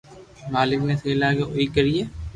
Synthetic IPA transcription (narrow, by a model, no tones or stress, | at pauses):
maːlɪkneseːlaːɡeʔoikəɾieː